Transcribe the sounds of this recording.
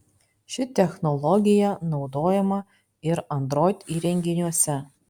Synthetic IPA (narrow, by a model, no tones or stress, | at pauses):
ʃʲɪt̪ʲɛxnɔlˠɔɡʲɪjɛnɒʊd̪oːjɛmɐ | ɪɾɐnd̪ɾoːt̪ʲiːɾʲɛŋʲɡʲɪnʲuɔsʲɛ